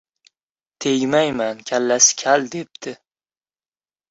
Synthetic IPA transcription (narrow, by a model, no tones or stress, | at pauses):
t̪ʰeɡʲmajmankʲʰalːasɪ̥kʲʰald̪e̞p̚t̪ʰɪ